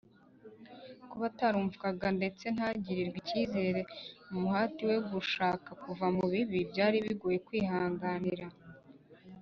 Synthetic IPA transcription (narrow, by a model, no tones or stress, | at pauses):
kuβataɾuːɱvukaɡande̞t͡se̞n̥haɟiɾiɾɡwiciːze̞ːɾe̞mumuɦaːtiwe̞ɡuʃaːkakuvamuβiβibjaːɾiβiɡoːje̞kwiːhaːŋɡaniɾa